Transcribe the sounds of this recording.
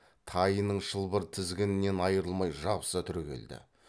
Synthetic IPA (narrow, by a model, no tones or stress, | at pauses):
t̪ʰɑjnəɴʃəlˠbəɾt̪ʰɪzɡʲenɪne̞nɑjəɾəlˠmɑjʒɑbəsət̪ʰʏɾkʲe̞̰ld̪ɪ̰